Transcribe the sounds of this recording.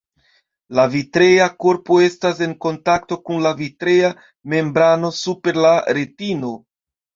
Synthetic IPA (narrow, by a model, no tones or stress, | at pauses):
lavitɾe̞jako̞ɾpoe̞stase̞ŋko̞ntakto̞kunlavitɾe̞ja | me̞mbɾano̞supe̞ɾlaɾe̞tino̞